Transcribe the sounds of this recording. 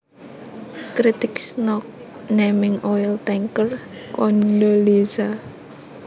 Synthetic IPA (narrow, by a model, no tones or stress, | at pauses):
kɾit̪ɪksnɔk̚ | nemɪŋɔɛlt̪ɛŋkərkɔndoliza